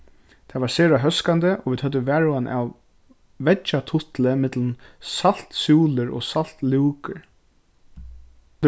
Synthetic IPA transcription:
t̪ʰavaɹseːɹaɦœskant̪əʔɔʋiːd̪hœt̪̬ːəʋæːɹʊanʔa̰w | vɛt͡ʃːat̪ʰʊht̪ləmɪt̪lnsal̥t̪suːləɾɔ̰sal̥t̪liwkəɹ

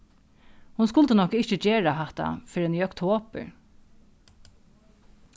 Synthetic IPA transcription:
hʊns̬kʊlt̪ənɔkəɪçt͡ʃəd͡ʒeːɹaɦɛt̪a̰fɪːɾɛniːɔkt̪ʰoːpə̰ɹ

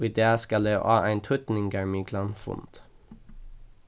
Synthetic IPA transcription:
iːd̪eːskɑld̪eːʔɑ̰ːʔæɪnt̪ʰʊt̪n̩ɪŋɡɑɹmiɡlɑnfʊ̰nt̪

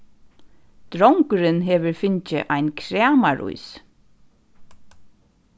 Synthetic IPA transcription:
t̪ɾɔwŋkʏɾɪnɦɛːʋəɹfɪɲcə̰ʔaɪnkʰɾæːmaɹṵjs

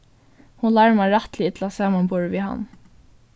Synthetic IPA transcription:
hʊnlɑɹmaɹat̪lɪɪt̪ʰlasɑːmanbɔɹʋiːɦa̰nː

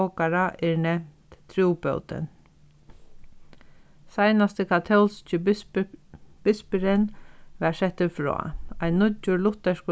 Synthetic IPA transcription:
ɔkaɾaʔɛɹnɛmt̪t̪ʰɾuːpœ̰wt̪ɪ̰n | sajnast̪əkʰat̪ʰɛlst͡ʃɪ | b̥ɪspɪɾɪnʋɛɾsɛht̪ːɪfɾɹɔ̰ːajnːʊt͡ʃːʊlʊt̪ːɛʂkʊ

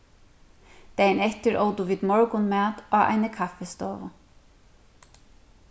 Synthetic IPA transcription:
t̪ɛjnɛht̪ɪɹoːwt̪ʊʋiːd̪mɔɹkʊnmaːt̪aːʔa̰jnəkʰafɛst̪ɔːvʊ

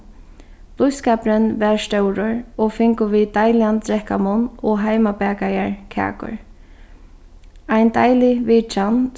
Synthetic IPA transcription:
pluskɛːpɾənʋɛɹst̪ɛwɾʊɹɔfɪŋkʊʋiːt̪ajljant̪ɾɛhkamʊnɔɦajmapɛːkajaɹkʰa̰ːkʊ̰ɹ | ajnt̪a̰jliʋɪːt͡ʃan

